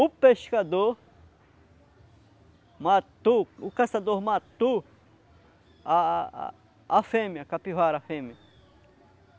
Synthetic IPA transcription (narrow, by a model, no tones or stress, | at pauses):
upeʃkad̪o | mat̪uukasad̪oɾmat̪u | a | afẽmiɐkapiɦwaɾafẽmiɐ